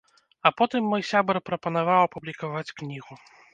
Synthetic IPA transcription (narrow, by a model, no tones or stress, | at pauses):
ɐpɔt̪ɨmːɔjsʲabɾpɾɐpɐnavawɐpublʲikavat͡sʲknʲiɣu